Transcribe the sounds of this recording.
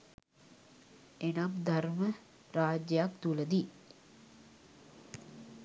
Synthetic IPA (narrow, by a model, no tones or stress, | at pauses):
enamd̪ʱarmə | ɾaːd͡ʒjəjakt̪uləd̪i